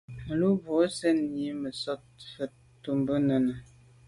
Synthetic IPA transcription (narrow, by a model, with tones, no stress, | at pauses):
mə˨lu˦bo˨˦sɛ˦n˨i˨˦mə˨sɔ˦t̚fə˨t | tːu˨mbə˦nə˨nə˨